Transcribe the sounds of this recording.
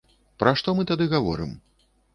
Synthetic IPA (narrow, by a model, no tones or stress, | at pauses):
pɾaʂt̪ɔmɨt̪ad̪ɨɣavɔ̰ɾɨ̰m